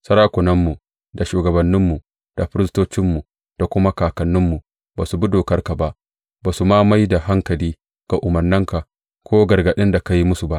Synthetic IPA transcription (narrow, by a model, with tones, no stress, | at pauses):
sɐ˦ɾaː˦kʷʊ˨nɐ˦mːu˨ | da˨ʃuː˨ɡɐ˨bɐ˨nːɪ˦mːu˨ | d̥a˨ɸɪ˦ɾɪ˦stoː˦t͡ʃɪ˦mːu˨ | d̥a˨kʷʊ˦ma˦kaː˨kɐ˨nːɪ˦mːu˨ | baː˨su˨bu˦doː˨kɐ˦rka˨ba˦ʔ | baː˨su˨maː˦ma˦jda˨ɦa˦ŋkɐ˨liː˦ | ɡ̥a˨ʔʊ˨mɐ˨rnɪ˦ŋka˨ | kʰʷoː˦ɡɐ˨ɾɡɐ˨ɗɪ˦nda˨ka˦ji˦mʊ˦su˨ba˦ʔ